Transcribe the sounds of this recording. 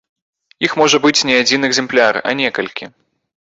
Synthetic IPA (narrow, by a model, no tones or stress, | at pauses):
ixmɔʐɐbɨt͡sʲnʲɛad͡zʲinɛɡzʲɛmplʲarɐ̰nʲɛkɐlʲkʲi